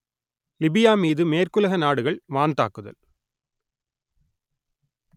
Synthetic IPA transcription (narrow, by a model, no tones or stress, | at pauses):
lɪbɪjaːmiːðɯmeːrkɯlɐɣɐnaːɽɯɣɐɭʋaːnd̪a̰ːkːɯðɐ̰l